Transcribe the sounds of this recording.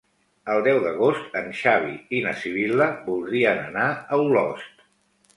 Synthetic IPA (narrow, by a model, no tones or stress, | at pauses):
əlˠd̪ɛwðəɣost̪ənʃaβ̞iinəsiβ̞iləbulˠd̪ɾiənənaəulɔst̪